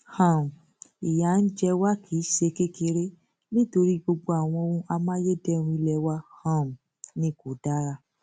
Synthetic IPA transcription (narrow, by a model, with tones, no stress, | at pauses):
hã˨mũ˨ | i˨ja˨n̩˦d͡ʒɛ˧wa˦kʰi˨˦ʃe˧ke˦ke˧ɾe˦ | nĩ˦to˧ɾi˦ɡ͡bo˧ɡ͡bo˧a˨w̃ɔ̃˧o˧ũ˧ʔa˧mã˦je˦dɛ˦˨˧ũ˧i˧lɛ˧˨wa˦hã˨mũ˨ | nĩ˧˦˨ko˨da˦ɾa˧˦